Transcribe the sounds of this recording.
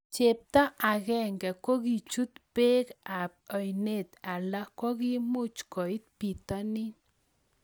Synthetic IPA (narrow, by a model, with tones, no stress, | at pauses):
t͡ʃe˨p̚t̪ɔ˦ʔa˨kɛ˦˨ŋɡɛ˨ko˦ki˨t͡ʃu˦t̪̚pe˦ka˨p̚ɔ˨jne˦˨t̪a˨la˦kɔ˦ki˦mʊ˦t͡ʃkɔ˨i˦t̪̚pi˨t̪ɔ˦ni˦n